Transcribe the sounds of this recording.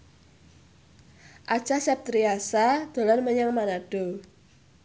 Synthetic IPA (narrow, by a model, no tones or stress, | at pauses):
ʔḁt͡ʃasɛp̚t̪ɾiasad̪̥o̤lanməɲaŋmanaɖ̥o